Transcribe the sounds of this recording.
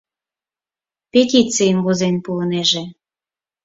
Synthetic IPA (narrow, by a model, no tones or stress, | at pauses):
pet̪ʲit͡sijənβozenpulɤneʒĕ